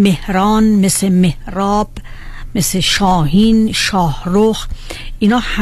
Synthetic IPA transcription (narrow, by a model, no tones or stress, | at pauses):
mehɾɒːnmesemehɾɒːb̥ | meseʃɒːhiːnʃɒːhɾoxʔinɒːh